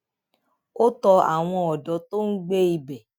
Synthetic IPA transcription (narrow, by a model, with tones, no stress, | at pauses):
o˦tɔ˧a̰˨w̃ɔ̃˧ɔ˨dɔ˨˦to˦n̩˦ɡ͡be˦i˨bɛ˨